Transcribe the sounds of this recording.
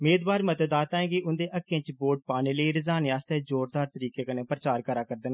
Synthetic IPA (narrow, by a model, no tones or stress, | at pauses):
meːd̪ʋaːɾmət̪əd̪aːt̪ãːẽːɡiːʊnd̪eːʔəkːẽːt͡ʃboːɖ̚paːneːləiːɾɪzaːnːaːst̪ɛːd͡ʒoːɾd̪aːɾt̪əɾiːkeːkənẽːpɾət͡ʃaːɾkəɾaːkəɾd̪ən